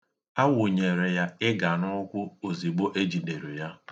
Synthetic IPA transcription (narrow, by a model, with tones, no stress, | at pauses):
a˦wʊ˨ɲe˨ɾe˨ja˦ɪ˦ɡa˨nʊ˦kʷʊ˦o˨zi˨ɡ͡bo˦ʔe˦d͡ʒi˨de˨ɾe˨ja˦